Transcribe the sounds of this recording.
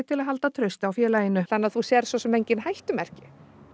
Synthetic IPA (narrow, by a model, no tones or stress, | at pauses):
t̪ʰɪlaɦalt̪at̪ʰɾœɥst̪ɪawfjɛːlaːjɪnʏθanːaðθusjɛɾ̥svɔsɛmejɲcɪnhajht̪ʏmɛr̥cɪ